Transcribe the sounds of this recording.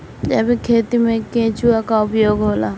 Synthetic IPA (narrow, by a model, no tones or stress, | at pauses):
d͡ʒɛbikʰeːt̪imẽkẽːt͡ʃuakaʊpjoːɡɦoːlaː